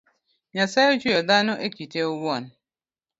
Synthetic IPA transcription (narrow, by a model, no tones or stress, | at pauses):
ɲasaot͡ʃujɔdanʊʔekiteʊbɔn̩